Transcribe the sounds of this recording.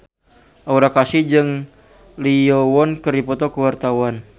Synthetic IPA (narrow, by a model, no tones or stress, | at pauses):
ʔauɾakasid͡ʒɨŋ | liɔwɔnkəripɔt̪ɔkəwart̪awan